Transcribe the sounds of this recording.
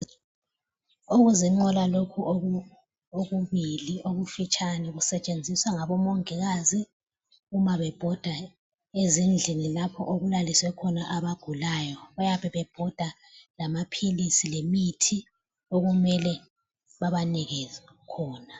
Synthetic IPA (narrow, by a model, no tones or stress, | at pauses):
uɣuziŋ͡ǃɔlalokʰuʔo | oɣuβiliʔoβufit͡ʃʼanɛɣusɛt͡ʃʼend͡zʱiswaŋaβɔmɔŋɛɣazi | ɣumaβɛb̥ʱɔd̥ʱa | ezind͡ɮʱinilapʰɔ̰ʔoɣulaliswɛkʰɔnaʔaβaɡ̥ʱulaːjɔɣujapʰɛβɛb̥ʱɔd̥ʱa | lamapʰilisilemitʰi | oɣumɛlɛ | βaβaniɣɛzɛ | kʰɔːna